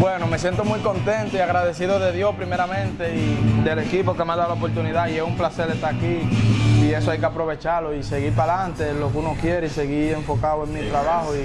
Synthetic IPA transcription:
bwe̞no̞me̞sje̞nt̪o̞mujko̞nt̪ent̪oiaɣɾaðe̞siðoðe̞ðjo̞shpɾime̞ɾamẽnt̪e̞id̪e̞le̞kipokemeand̪awlaopo̞ɾt̪uniðaiesumplase̞ɾest̪aɾakiː | e̞soajke̞apɾo̞β̞e̞t͡ʃaɾloise̞ɣiɾpalant̪e̞lo̞kunokje̞ɾeise̞ɣie̞ɱfo̞kawe̞ŋmit̪ɾaβahoi

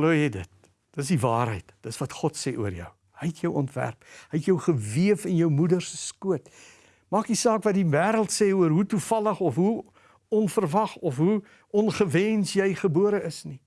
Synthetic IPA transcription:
luːjɛjdət̚ | d̥əs̬divɑːɾɦə̰jtd̥əsvɐtχɔtsɛːʔuərjœ̰w | həjtjəwʔɔntvæ̰rpɦəjtjəwχəviəfənjəwmudərsəskuət | mɑːkdisɑːkvɐt̚divæːɾəlˠtsɛːuərɦutufɐləχɔfɦu | ɔnfərvɐχɔfɦu | ʔɔnχəvɛnsjɛjχəbuəɾəəsni

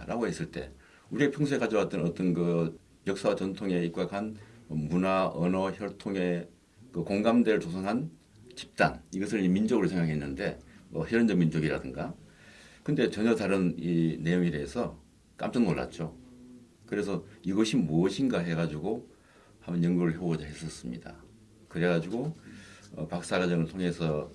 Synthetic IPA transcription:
ɾaɡoɦhe̞s͈ɯɭt͈e̞̰ | uɾiepʰjuŋsʰekad͡ʑʌwat͈ɯnʌt͈ʌnkɯ | jʌk̚s͈awat͡ɕʌntʰoŋe̞ip̚k͈akʰanmunaʌnʌçjʌɭtʰoŋe̞ | kɯkoŋɡamdeɾɯɭt͡ɕosʰaŋɦan | t͡ɕi̥p̚t͈a̰niɡʌs̬ʰɯɭimind͡ʑoɡɯɾosʰe̞ŋɡakʰe̞nːɯnde̞ʌheɾʌnd͡ʑʌŋmind͡ʑoɡiɾa̰dɯŋɡa | kɯnde̞t͡ɕʌɲʌtaɾɯnine̞joŋiɾeːsʰʌ | k͈a̰mt͡ɕ͈ʌŋmoɭːa̰t̚t͡ɕ͈o | kɯɾe̞s̬ʰʌiɡʌɕʰimuʌɕʰinɡaɦe̞ɡad͡ʑuɡo | hambʌnjʌŋɡuɾɯɭɦeʌd͡ʑaɦes͈ʌs͈ɯmɲḭda̰ | kɯɾe̞ɡad͡ʑiɡo | ʌ̰pak̚s͈aɡad͡ʑʌŋɯɭtʰoŋe̞sʰʌ

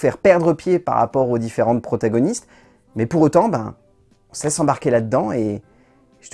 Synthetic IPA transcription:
fɛʁpɛʁd̪ʁəpjepa̰ʁːa̰pɔʁod̪ifeʁɑ̃t̪̚pχɔt̪aɡɔnist̪ | mɛpuʁot̪ɑ̃ba̰ | ɔ̃sɛsɑ̃baʁkʲelad̪əd̪ɑ̃e | ʒə̥

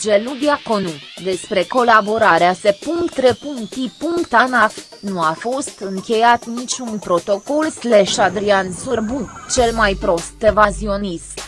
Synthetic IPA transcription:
d͡ʒelud̪iakonud̪e̞spɾe̞ko̞laboɾaɾeasepuŋkt̪ɾepuŋt̪ipuŋkt̪anaf | nuafo̞st̪ɨŋkʲe̞jat̪nit͡ʃʲunpɾo̞t̪o̞kolsleʃad̪ɾiansurbut͡ʃe̞lmajpɾo̞st̪evazio̞nism

